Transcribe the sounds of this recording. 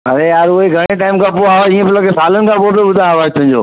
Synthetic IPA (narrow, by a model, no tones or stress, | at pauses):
ɐ̰ɾejaːɾʊɦeɡʱɐɽ̃eʈaːɪmkʰãpoaːɦoiːə̃pɪlokesaːlənɪ̆kʰãpoːbobʊd̪ʱãʋaːet̪ʰʊ̃ɦɪ̃ɲd͡ʑo̰ː